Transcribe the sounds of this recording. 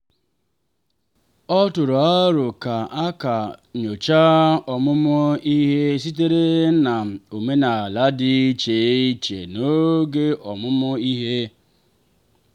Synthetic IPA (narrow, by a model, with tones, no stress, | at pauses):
ɔ˦tʊ˨ɾa˦ɾʊ˨ka˨a˦ka˨ɲo˨t͡ʃa˦ɔ˨mʊ˦mʊ˦i˦ɦe˦s̬i˦t̬e˦ɾe˦n̩˦na˨o˨me˦na˨la˦dɪ˦i˦t͡ʃe˨˦i˦t͡ʃḛ˨no˦ɡe˦ɔ˨mʊ˦mʊ˦i˦ɦe˦